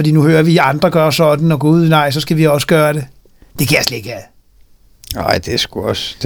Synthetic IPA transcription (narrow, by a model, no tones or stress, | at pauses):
fd̥ḭːnuhøːɐʋiɑ̈nd̥ʁɐɡ̥ɶːɐsɒ̽d̥n̩ɒ̽ɡ̥uð̰ˠnɑ̈ɪ̰sɒ̽sɡ̥æʋiɒ̽s̬ə̥ɡ̥ɶːɐɾ̥e̝ | d̥e̝kʰæjasleeɡ̥æð | nɑɪ̰d̥esɡ̥uɒsd̥